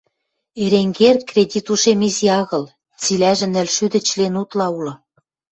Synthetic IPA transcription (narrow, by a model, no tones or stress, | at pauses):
eɾeŋɡerkrʲedʲit̪uʃemizijɑɣɤ̆l | t͡silæʒɘ̆nɘ̆lʃyd̪ɘ̆t͡ɕlenut̪lɑulɤ̆